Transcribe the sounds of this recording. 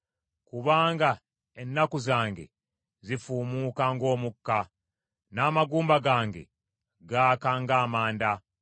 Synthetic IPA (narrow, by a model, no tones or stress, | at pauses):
kuβaːŋɡa | enːakuzaːŋɡe̞̰ | zifuːmuːkaːŋɡo̞ːmukːa | naːmaɡuːmbaɡaːŋɡe̞̰ | ɡaːkaːŋɡaːmaːnda